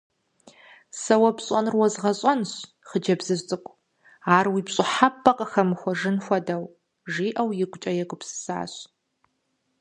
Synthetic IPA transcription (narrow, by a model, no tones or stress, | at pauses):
sɐwɐpɕʼɐnrwɔzʁɐɕʼɐnɕ | χəd͡ʒɐbzɨɕtʼɨkʷʼ | aːrwiːpɕʼɪħapʰːɐqʼəxɐmɨxʷɔʒɨnxʷɔdɐw | ʒiːʔɐwjɪɡʷʊt͡ʃʼɐjɛɡʷʼʊpsɨ̥sa̰ːɕ